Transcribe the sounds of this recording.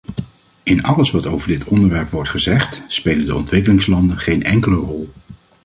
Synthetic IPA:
ɪnɑləsʋɑtowvəɹdɪtʰɔndəɹʋɛɹpʋɔɹtχəzɛχtspejləndəɔ̰ntʋɪkəlɪŋslɑndənχejnɛŋkələrɔlˠ

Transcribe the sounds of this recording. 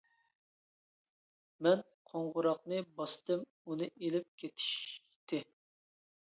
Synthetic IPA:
mɛn | qʰoɴʁʊɾɑqnɨbɑst̪ɨm | unɨʔelɪp̚kʲʰet̪ʰi̥ʃ | t̪ʰɪ

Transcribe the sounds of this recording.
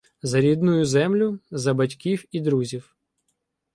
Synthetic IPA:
zɐɾʲid̪nʊjʊzɛmlʲʊzɐbɐtʲkʲiwid̪ɾuzʲiw

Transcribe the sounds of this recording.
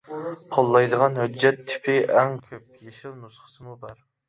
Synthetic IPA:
qʰolˠːɑjd̪əʁɑnɦød͡ʒːɛt̪ʰːɪ̥pʰɪʔɛŋkʲʰøp̚jeʃilnusχə̥sɨmubɑɾ

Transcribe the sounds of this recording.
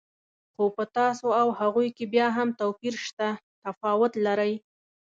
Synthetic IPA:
xopət̪ɑsoawhaɣujkebjɑɦamt̪awpiɾʃt̪at̪afɑwʊt̪laɾəj

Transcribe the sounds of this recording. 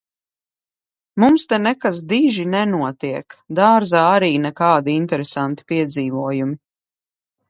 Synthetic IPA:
mumst̪ɛnɛkas̬d̪iʒinɛnuɔt̪iɛkd̪aːɾzaːaɾiːnɛkaːd̪iint̪ɛɾɛsant̪i̥piɛd̪ziːvuɔjumi

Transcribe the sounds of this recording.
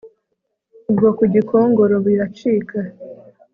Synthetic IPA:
ubɡo̞kuɟikoːŋɡo̞ɾoβiɾat͡ʃiːka

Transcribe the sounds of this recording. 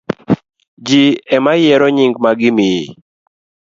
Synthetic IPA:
d͡ʒiɛmajɛɾɔɲiŋɡmaɡɪmɪe

